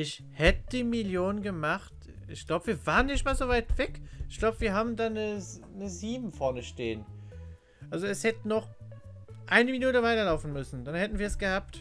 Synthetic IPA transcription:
ʔɪç | hɛtəd̥iːmɪljoːnənɡəmaχt | ʔɪ̰çɡ̥laʊbəviːɐvaːʁənɪçtmaːlzovaɪtv̥ɛkʔɪçɡ̥laʊbəviːɐɦaːbm̩daːnə | nəziːbm̩fɔɐnəʃteːən | ʔalzoɛshɛtənɔχ | ʔaɪnəminuːtəvaɪtɐlaʊfn̩mʏsn̩d̥anhɛtn̩viːɐɛsɡ̥əhaːp̚t

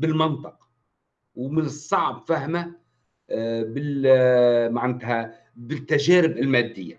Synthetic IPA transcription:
bɪlmɪnt̪ˤɨqɑ | wmɪnɨsˤːɑʕbfaɦma | bɪ | maʕand̪ɦa | bɪt̪ːaʒæːɾɪbɪlmæːd̪ːɪjːa

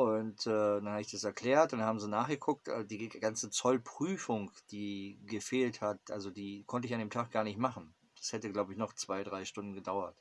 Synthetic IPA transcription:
ʊntɛːdanhabəɪçd̥asɛɐkʰl̥ɛːɐt̚d̥anhaːbm̩ziːnaːχɡ̥əkʰʊk̚tʔɛ̰diːɡant͡sət͡sɔlpʁ̥yːfʊŋd̥iːɡəfeːlthatʔalzodiːkʰɔntəɪçandeːmtʰaːk̚ɡ̥aːɐnɪçtmaχn̩ | d̥ḁshɛtəɡlaʊbəɪçnɔχt͡sv̥aɪdʁaɪʃtʊndn̩ɡədaʊɐt

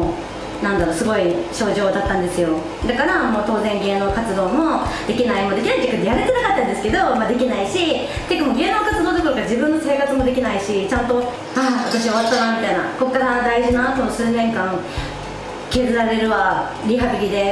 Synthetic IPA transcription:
nãnd̪aɾo̞ːsɨɡo̞iɕo̞ːʑo̞ːd̪at̪ːãnd̪e̞sɨjo̞ | d̪akaɾamo̞ːt̪o̞ːzẽ̞ŋɡe̞ːno̞ːkat͡sɨd̪o̞ːmo̞d̪̥e̞kʲinaimo̞d̪e̞kʲinait̪ːekːɯnejaɾet̪e̞nakat̪ːãnd̪esɨ̥ke̞d̪o̞mad̪e̞kʲinaiɕi | t̪ekːɯmoɡe̞ːno̞ːkat͡sɨd̪oːd̪okoɾoɡad͡ʑibɯ̟̃nːo̞se̞ːkat͡sɨmo̞d̪e̞kʲinaiɕit͡ɕãnt̪o̞ | aβat̪aɕ̬io̞βat̪ːanamʲit̪ainako̞kːaɾad̪aiʑinaːt̪o̞mosɨːnẽ̞ŋkãŋ | ke̞ːzɨɾaɾe̞ɾɯ̟βa | ɾʲiɦabʲiɡʲid̪e̞

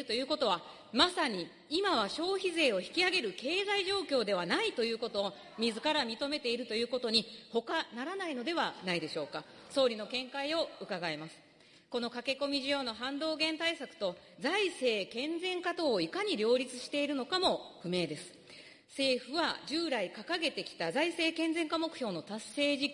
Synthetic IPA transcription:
ɯt̪o̞jɯ̟ːko̞t̪o̞βa | masaɲ̟i | imaβaɕo̞ːçize̞ːo̞çi̥kʲiaɡe̞ɾɯ̟ke̞ːzaiʑo̞ːkʲo̞ːd̪e̞β̞anait̪o̞jɯ̟ːko̞t̪o̞ː | mʲizɨkaɾamʲit̪o̞me̞t̪e̞iɾɯ̟t̪o̞jɯ̟ːko̞t̪o̞ɲ̟iho̞kanaɾanaino̞d̪e̞βanaid̪e̞ɕo̞ːka | so̞ːɾʲino̞kẽ̞ŋkaio̞ɯ̟kaɡaimasɨ̥ | ko̞no̞kake̞ko̞mʲiʑijo̞ːno̞ɦãnd̪o̞ːɡẽ̞nt̪aisakɯ̟̥t̪o̞zaise̞ːkẽ̞nd͡zẽ̞ŋkat̪o̞ːikaɲ̟iɾʲo̞ːɾʲit͡sɨ̥ɕi̥t̪e̞iɾɯ̟no̞kamo̞ɸɯ̟me̞ːd̪e̞sɨ̥ | se̞ːɸɯ̟βa̰ʑɨːɾaikakaɡe̞t̪e̞kʲi̥t̪azaise̞ːkẽ̞nd͡zẽ̞ŋkamo̞kɯ̟̥ço̞ːno̞t̪asːe̞ːʑi

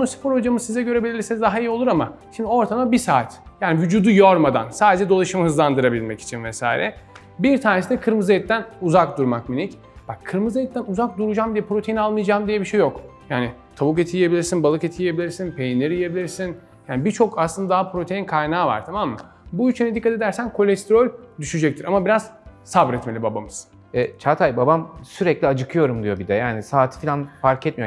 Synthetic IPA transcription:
onusi̥pʰoɾhod͡ʒamɯzsizɛɟøɾebilʲlʲiɾsinzd̪aɦaijio̞lˠuɾama̰ʃimd̪io̞ɾt̪ʰamabisaːt̪jaːnivyd͡ʒuːd̪ujoɾmad̪a̰nsaːd̪e̞d͡ʒɛd̪o̞lˠaʃɯmahɯzlˠand̪ɯɾabilʲmɛci̥t͡ʃʰinvɛsa̰ːjḭɾɛ | biɾt̪ʰaːnesid̪ɛkʰɯɾmɯzejɛt̪ːænuzakd̪uɾmakminic | b̥akʰːɯɾmɯzajɛt̪ʰːænuzak̚d̪uɾud͡ʒaːmd̪ijɛpɾo̞t̪ʰejinalˠmɯjad͡ʒaːmd̪ijɛbiʃe̞jːokjaːnɪt̪ʰaβuk̬et̪ʰijijebilʲiɾsinbalˠɯket̪ʰijije̞bilʲiɾsinpʰe̞jinlʲeɾije̞bilʲiɾsin | jaːnibiɾt͡ʃʰo̞kʰaslˠɯnd̪ad̪aɦapɾo̞t̪ʰe̞jinkʰajnaːva̰ɾt̪ʰamamːa | buit͡ʃʰynet̪̬ikːat̪ʰed̪æɾsænkʰo̞lʲɛst̪ɾolʲd̪yʃyd͡ʒɛc̚t̪ʰiɾamabiɾaz̥sabɾɛt̪me̞lʲibabamɯz̥ | ɛt͡ʃʰat̪ʰajbabamsyɾɛclʲiad͡ʒɯkʰɯjo̞ɾumd̪ijo̞bid̪ɛjaːnisaːt̪ʰɯ̥filʲanfaɾcʰɛt̪mijo

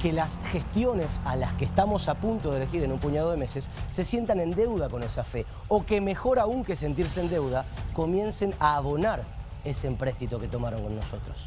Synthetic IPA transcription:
ke̞lasxe̞st̪jo̞ne̞salaskeːst̪amo̞sapunt̪o̞ðele̞xiɾe̞nũmpuɲað̞o̞ðeme̞sesːe̞sje̞nt̪anẽ̞nd̪e̞wð̞ako̞ne̞safe̞ | o̞ke̞me̞xo̞ɾauŋke̞se̞nt̪iɾseend̪e̞wðako̞mje̞nse̞naːβo̞naɾ | e̞seːmpɾest̪it̪oke̞t̪o̞maɾo̞ŋko̞nːo̞so̞t̪ɾo̞s

